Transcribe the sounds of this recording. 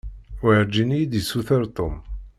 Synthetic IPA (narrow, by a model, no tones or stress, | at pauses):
wʕɾd͡ʒinijid̪isuθəɾˤt̪ˤom